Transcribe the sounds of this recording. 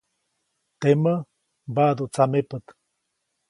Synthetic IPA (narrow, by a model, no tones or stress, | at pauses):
t̪emə | bad̪ut͡samepət̪